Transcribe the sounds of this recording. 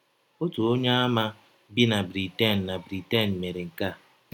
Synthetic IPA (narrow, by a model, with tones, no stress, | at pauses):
o˦to˨o˦ɲa˦a˦ma˦ | bi˦na˨bɾi˨te˦˨n̩˨na˨bɾi˨te˦˨n̩˨me˨ɾe˨ŋ̩˨ka˦˨